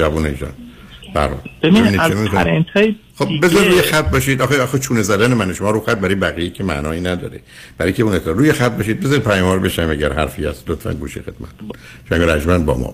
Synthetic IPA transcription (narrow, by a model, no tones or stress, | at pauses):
ævuːneḭːʃɒ̰n | b̥ææ̰ɾhɒ̰ːlb̥ebiebiiniemikoent̪ʰɒː | xobbe̞zɒɾiɾuːjexæt̪̚ʰbɒːʃid̪ʔɒxeɒxet͡ʃʰuːnezæd̪ænemæneʃomɒːɾuxæt̪̚bæɾjebæɣijecʰemæ̰ʔnɒːiːnæd̪ɒ̰ːɾe | b̥æɾɒjkʰeunet̪ʰːɾuːjexæt̪̚bɒːʃid̪̚be̞zɒɾid̪̚pʰæjɒmɒːɾbeʃæmæɟæɾhæɾfiæ̰st̪lot̪fæ̰nɡuːʃḭxed̪mæ̰t̪ʰːun | ʃæŋɡeɾæd͡ʒmænbɒ̰ːmɒ̰ː